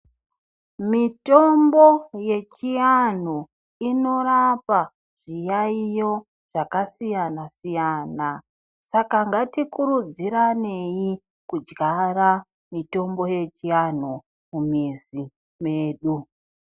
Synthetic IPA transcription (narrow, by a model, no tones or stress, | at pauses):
mito̞mbo̞je̞t͡ʃijan̤u | ino̞ɾapa | ʐ̥ijaijo̞ | ʐ̥akasijanasijaːna | sakaŋɡatikuɾud͡ziɾane̞ji | kud͡ʒɡara | mito̞mbo̞je̞t͡ʃian̤u | mumizi | me̞ːɗu